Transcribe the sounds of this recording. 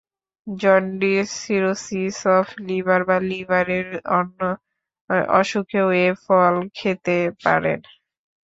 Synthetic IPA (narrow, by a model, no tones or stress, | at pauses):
d͡ʑɔnɖisiɾosisɔfʰlibaɾbalibaɾeɾɔnːo | ɔ̰ʃukʰeoefɔlkʰet̪epa̰ɾḛn